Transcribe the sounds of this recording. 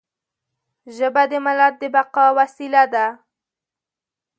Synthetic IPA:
ʒəbad̪əmalad̪̚d̪əbaqɑwasilad̪a

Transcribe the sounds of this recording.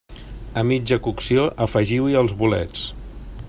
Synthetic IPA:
əmid͡ʒəkuksioʔəfəʒiwiəlˠzβulɛ̰t͡s

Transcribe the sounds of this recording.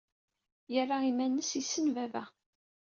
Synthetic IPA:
jərˤːaimænːəsisːənvævæ̰

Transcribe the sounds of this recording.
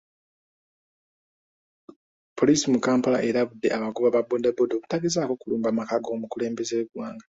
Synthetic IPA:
pʰo̞lisimukaːmpala̰ʔeɾaβudːe̞ʔaβakuβaβabondabodo̞ku̥taɡizaːko̞kuluːmbamakaɡo̞ːmukule̞ːmbe̞zeɡwaːŋɡa

